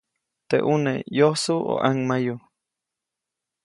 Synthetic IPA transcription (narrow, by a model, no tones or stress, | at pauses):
t̪ḛʔunejohsuo̰ʔaŋmaju